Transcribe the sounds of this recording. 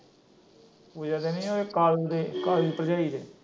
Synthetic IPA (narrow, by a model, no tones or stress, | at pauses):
ʋod͡ʒaːd̪eːnĩːoːeːkaːld̪eːkaːliːd̪pəɾd͡ʒaːiːd̪eː